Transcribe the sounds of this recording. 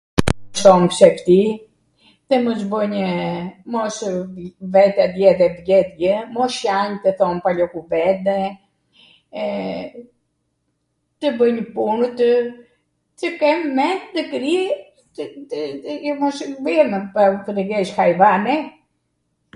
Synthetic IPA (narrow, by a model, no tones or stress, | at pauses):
sɔmpsɛft̪i | t̪əmɔs̬bəɲəmɔs | vɛt̪ɛd̪jɛðɛbjɛt̪̚ɡəmɔʃjaɲt̪əθɔnpalɔkuvɛd̪ɛ | t̪əbəɲəpunət̪ | t͡ʃəkɛmːɛt̪əkɾi | mɔʃvɛmpat̪əɾəɡɛʃhajvanɛ